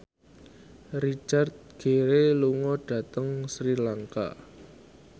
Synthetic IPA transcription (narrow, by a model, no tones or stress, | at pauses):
rit͡ʃart̪̚ɡ̥eɾeluŋɔɖ̥ä̤t̪əŋsɾilaŋka̰